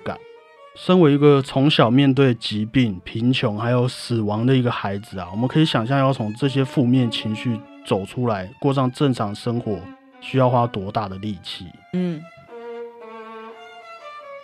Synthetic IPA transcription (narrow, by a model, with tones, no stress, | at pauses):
ka̰˨˩˦n | ʂə˥nwe˧˥ɪi˧˥ɡə˨t͡sʰʊ˧˥ŋɕjɑ˨˩ʊmjɛ˥˧nt̪̬we˥˩ɪt͡ɕi˧˥pi˥˩ŋpʰi˧˥nt͡ɕʰjʊ˧˥ŋxa˧˥ɪjo˨˩ʊs̩˨˩wɑ˧˥ŋd̪ə˨i˧˥ɡə˨xa˧˥ɪd͡zɹ̩˨a˨˩wɔ˨˩mə˨nkʰɤ˧˥i˧˩ɕjɑ˨˩ŋɕ̬jɑ˥˧ŋjɑ˥˩ʊt͡sʰʊ˧˥ŋʈ͡ʂɤ˥˧ɕ̬jɛ˥fu˥˧mjɛ˥˨nt͡ɕʰi˧˥ŋɕy˥˩t͡so˨˩ʊʈ͡ʂʰu˥la˧˦ɪkwɔ˥˧ʂ̬ɑ˥˧ŋʈ͡ʂə˥˩ŋʈ͡ʂʰɑ˧˥ŋʂə˥ŋxwɔ˨˧˦ | ɕy˥jɑ˥˩ʊxwa˦˥t̪wɔ˧˥t̪a˥˩d̪ə˩li˥˨t͡ɕʰḭ˥˨˩